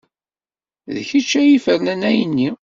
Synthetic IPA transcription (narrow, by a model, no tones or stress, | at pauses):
ðçit͡ʃːæjifəɾnænæjənːi